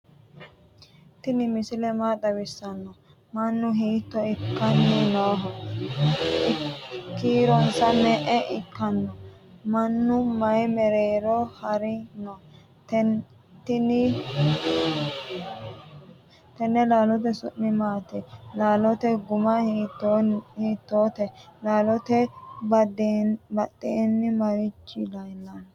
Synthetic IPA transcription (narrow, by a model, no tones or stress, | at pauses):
t̪ɪnɪmɪsɪlɛmaːd̪ɐwɪsːɐnːɔ | mɐnːʊɦiːt̪ːɔɪkːɐnːɪnɔːɦɔ | ɪkːiːɾɔnsɐnɛʔɛʔɪkːɐnːɔ | mɐnːʊmɐjmɛɾeːɾɔhɐɾɪnɔ | t̪ɛ | t̪ːɪnɪ | t̪ɛnːɛlaːlɔt̪̬ɛsʊ̰nːɪmaːt̪ɛlaːlɔt̪ɛɡʊmɐ | hiːt̪ːoːt̪ɛlaːlɔt̪ɛbdbɐt̪ʼːeːnːɪmɐɾɪt͡ʃːɪlɐjnːɐn